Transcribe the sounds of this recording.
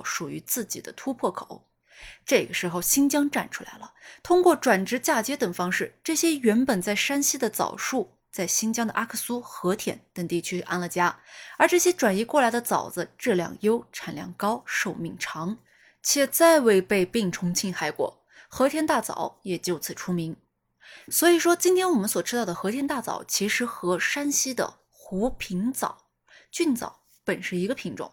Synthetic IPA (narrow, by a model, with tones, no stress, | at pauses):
ʂu˨˩y˧˥t͡sɹ̩˥˩t͡ɕḭ˨˩d̪ə˦t̪ʰu˥pʰwɔ˥˩kʰo˨˩˦ʊ | ʈ͡ʂɤ˥˩ɡə˩ʂɻ̩˧˥xo˥˧ʊɕi˥nt͡ɕjɑ˥ŋʈ͡ʂa̰˨˩nʈ͡ʂʰu˥la̰˧˥ɪlə˧t̪ʰʊ˥ŋkwɔ˥˩ʈ͡ʂwa˨˩nʈ͡ʂɻ̩˧˥t͡ɕja˥˩t͡ɕjɛ˥t̪ə˨˩ŋfɑ˥ŋʂɻ̩˥˩ʈ͡ʂɤ˥˩ɕjɛ˥ɥɛ˧˥npə˨˩nt͡sa˥˩ɪʂa˥nɕi˥d̪ə˨t͡sɑ̰˨˩ʊʂu˥˩ | t͡sa˥˩ɪɕi˥nt͡ɕjɑ˥ŋd̪ə˨˧ʔa˥kʰə˥˩su˥xɤ˧˥t̪ʰjɛ̰˧˥nt̪ə˥˩ŋt̪i˥˩t͡ɕʰy˥ʔa̰˥nlə˩t͡ɕja˥ə˞˧˥ʈ͡ʂɤ˥˩ɕjɛ˥ʈ͡ʂwa˨˩ni˧˥kwɔ˥˩la˧˥ɪd̪ə˧t͡sɑ̰˨˩ʊd͡zə˦ʈ͡ʂɤ˥˧ljɑ̰˥˩ŋjo˥ʊʈ͡ʂʰa˨˩nljɑ̰˥˩ŋkɑ˥ʊʂo˨˩ʊmi˧˥˩ŋʈ͡ʂʰɑ˧˥ŋ | t͡ɕʰjɛ˥˧˩t͡sa˥˧ɪwe˥˧ɪpe˥˧ɪpi˥˩ŋʈ͡ʂʰʊ˧˥ŋt͡ɕʰi˥˩nxa˧˥ɪkwɔ̰˨˩ | xɤ˧˥t̪ʰjɛ˥nt̪a˥˩t͡sɑ̰˨˩˦ʊjɛ˨˩t͡ɕjo˥˧˩ʊt͡sʰɹ̩˨˩ʈ͡ʂʰu˥mi˧˥ŋ | swɔ˧˥i˨˩ʂwɔ˥t͡ɕi˥ŋt̪ʰjɛ˥nwɔ˨˩mə˦nswɔ˨˩ʈ͡ʂʰɻ̩˥t̪ɑ˥˩ʊd̪ə˩xɤ˧˥t̪ʰjɛ˥nt̪a˥˩t͡sɑ̰˨˩ʊt͡ɕʰi˧˥ʂɻ̩˧˥xɤ˧˥ʂa˥nɕi˥d̪ə̰˨ | xu˧˥pʰi˧˥ŋt͡sɑ̰˨˩˦ʊ | t͡ɕy˥˩nt͡sɑ̰˨˩ʊ | pə˨˩nʂɻ̩˥˩i˧˥ɡə˧pʰi˧˥ŋʈ͡ʂʊ̰˨˩˦ŋ